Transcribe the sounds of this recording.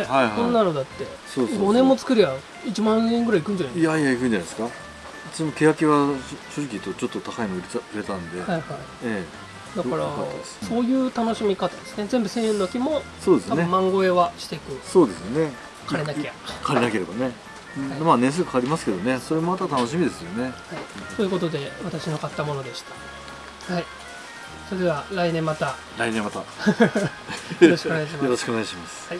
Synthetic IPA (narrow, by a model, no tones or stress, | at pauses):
haihõ̞nːano̞d̪at̪ːe̞ | soːɡo̞nẽ̞mːot͡sɨ̥kɯ̟ɾɯja | it͡ɕimãẽŋɡɯɾaikɯ̟nɲ̟d͡ʑanaiaijaikɯ̟n̟d͡ʑanad̪esɨ̥ka | t͡sɨnimoke̞jakʲiβaɕoːʑikʲit̪ːot͡ɕo̞t̪ːo̞t̪akaimoiɾaiɾe̞t̪anod̪e̞haihai | e | d̪akaɾa̰at̪ːd̪sso̞ːjɯ̟ːt̪ano̞ɕimʲikat̪ad̪e̞sɨ̥nezẽ̞mbɯ̟sẽ̞ɰ̃ẽnokʲimo̞tso̞ːd̪esanɯẽmːãŋɡo̞e̞βaɕi̥t̪e̞ikɯ̟so̞ːd̪e̞sɨne | kʰaɾe̞nakeakʰaɾenake̞ɾe̞banẽ̞ | amaːnẽs̬ɨkḁkaɾʲimasɨ̥ke̞d̪o̞ne̞so̞ɾe̞momat̪at̪anoɕ̬imʲid̪e̞sɨjo̞ne̞haiso̞ːjiɯ̟ko̞t̪o̞d̪e̞βat̪aɕinokat̪ːamo̞no̞d̪e̞ɕi̥t̪ḁ | hai | soɾed̪e̞βaɾainẽ̞mːat̪a | ɾainẽmːat̪a | o̞ɾo̞ɕi̥koneaɕimajoɾoɕi̥kɨoneɣaɕimasɨ̥hai